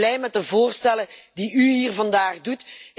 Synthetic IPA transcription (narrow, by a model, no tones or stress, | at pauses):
lɛjmɛt̚dəvoːrstɛlədiyɦiːrvɑndaːχdut